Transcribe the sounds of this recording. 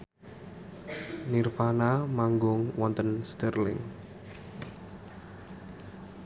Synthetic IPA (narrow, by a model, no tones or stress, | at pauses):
nirfanamaŋɡʊŋwɔnt̪ənst̪ərlɪ̰ŋ